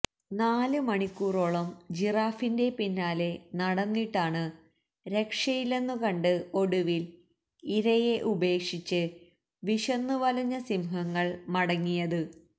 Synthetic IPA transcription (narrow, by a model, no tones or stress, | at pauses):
naːlɨmɐɳikʲːuːro̞ːɭɐmd͡ʑiraːfinde̞pinːaːle̞nɐɽɐnːiʈːaːɳɨ | ɾe̞kʂɐjile̞nːukɐɳɖɨo̞ɽuʋil | iɾɐjeʔube̞ːkʂit͡ɕːɨ | ʋiʂɐnːuʋɐlɐɲːɐsimɦɐŋːɐɭmɐɽɐŋːijɐðɨ